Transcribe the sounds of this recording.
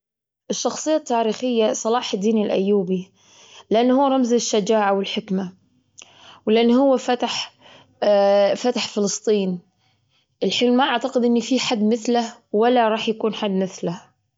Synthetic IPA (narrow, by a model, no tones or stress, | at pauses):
ʔɪʃːɑxsˤɨjːat̪ːaːɾiːxɪjːasˤɑlɑːħɪd̪ːiːnɪlʔa̰jːuːbi | lɪʔanːhʊwːɾˤɑmzɪʃːad͡ʒaːʕawɪlħɪkma | wlɪʔanːhʊwːafat̪aħ | fat̪aħfɪlɨst̪ˤiːn | ʔɪlħiːlmaʔaʕt̪aqɪd̪ʔɪnːifiħad̪ːmɪθlahwalːaɾˤɑːħjakuːnħad̪ːmɪθlah